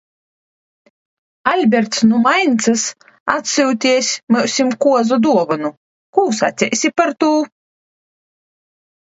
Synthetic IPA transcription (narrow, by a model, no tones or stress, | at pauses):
alʲbʲɛɾt̪snumajnʲt̪sɨs | at̪sʲɨwt̪ʲiɛsʲmɨwsʲimkuɔzɔd̪uɔvɨnu | kuːsa̰t̪sʲɛ̰jsʲipaɾt̪uː